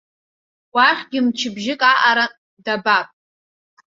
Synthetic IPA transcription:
waχʲɡʲɪmt͡ʃʰɪbʒɪkʼaʔaɾa | dabapʼ

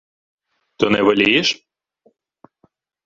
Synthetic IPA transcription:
t̪ɔnɛʋɐlʲijɛʃ

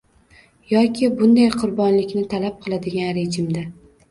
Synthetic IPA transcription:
jɒkʲʰɪbʊnd̪ajqʰʊɾbɒnlɪkʲnɪt̪ʰalap̚qʰɨlˠad̪ɪɡʲanɾed͡ʒɪmd̪a

